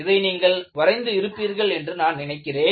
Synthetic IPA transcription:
ɪðɐɪniːŋɡɐɭʋɐɾɐɪnd̪ɯɪɾɯpːiːɾɣɐɭɛndrɯnaːnnɪnɐɪkːɪreː

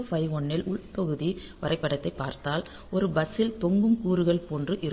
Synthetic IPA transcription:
fɐɪɔɳːɪlʔʊɭpɐɣɯðiʋɐɾɐɪpːɐɽɐt̪ːɐɪpːaːɾt̪aːl | ɔɾɯbɐsɪlt̪ɔŋɡɯmkuːɾɯɣɐɭpoːndrɯʔɪɾ

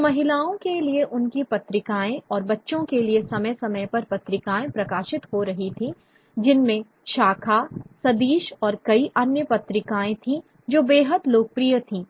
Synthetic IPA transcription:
mɐɦɪlaːõkelieʔʊnkipɐt̪ɾɪkaːẽɔːɾbɐtːʃõkeliesɐməjsɐməjpɐɾpɐt̪ɾɪkaːẽpɾɐkaːʃɪt̪ɦoɾɐɦit̪ʰĩ | d͡ʒɪnmẽ | ʃaːkʰaːsɐd̪iːʃɔːɾkɐiʔɐnjəpɐt̪ɾɪkaːẽt̪ʰĩ | d͡ʒoːbeːɦəd̪loːk̚pɾijət̪ʰĩː

